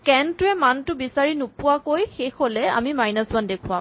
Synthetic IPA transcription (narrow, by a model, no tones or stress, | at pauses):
kɛntʊɛmantʊbisaɹinʊpʊwakojxexolɛa̰mimajnasbandekʰuwa̰m